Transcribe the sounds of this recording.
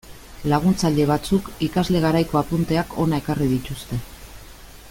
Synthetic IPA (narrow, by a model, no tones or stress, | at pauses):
laɣ̞unt͡saʎe̞β̞at͡sukikazle̞ɣ̞aɾajko̞apunt̪e̞akʰo̞nae̞kariðit̪ust̪e̞